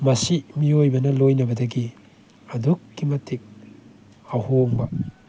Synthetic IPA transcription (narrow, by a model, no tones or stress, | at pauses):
mɐsimiojbɐnɐlojnɐbɐdɐɡi | ɐdukːimɐtʰik̚ | ɐhoŋbɐ